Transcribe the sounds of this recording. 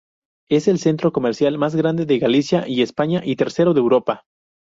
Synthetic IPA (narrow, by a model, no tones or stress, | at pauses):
e̞se̞lse̞nt̪ɾo̞ko̞me̞ɾsjalmazɣɾand̪e̞ðeɣalisjaʔie̞spaɲaʔit̪e̞ɾse̞ɾo̞ðewɾo̞pa